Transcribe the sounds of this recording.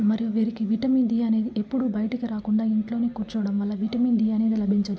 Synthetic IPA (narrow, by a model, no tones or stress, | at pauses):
mɐɾijuʋiːɾikiʋiʈɐmiːnd̪ijɐne̞ːd̪iʔepːuɽubɐjɐʈɐkiɾaːkuɳɖaːiɳʈlo̞ːneːkuːɾt͡ʃɐʋɐɽɐmʋɐlːɐʋiʈɐmiːnd̪iːɐne̞ːd̪ilɐbʱiɲt͡ʃɐd̪u